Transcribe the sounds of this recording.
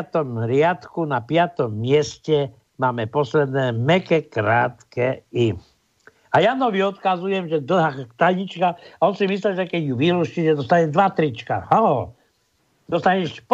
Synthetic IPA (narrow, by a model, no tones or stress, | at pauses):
t̪ɔmɾɪat̪kunapɪat̪ɔmːɪɛscɛ | maːmɛpɔslɛd̪nɛːmɛkɛkɾaːt̪kɛi | ajanɔʋiɔt̪kazujɛmʒɛd̪l̩ɦat̪aɲit͡ʃkaɔnsimislɛʒɛkɛɟjuʋiɾuʃitɛd̪ɔst̪aɲɛd̪ʋat̪ɾit͡ʃka̰halɔ | d̪ɔst̪aɲɛʃp